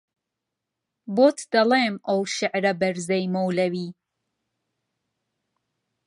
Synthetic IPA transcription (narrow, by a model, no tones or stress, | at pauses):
boːt̪d̪ɐleːmʔɐwʃɪʕɾɐbɐɾzɛjmowlɐwiː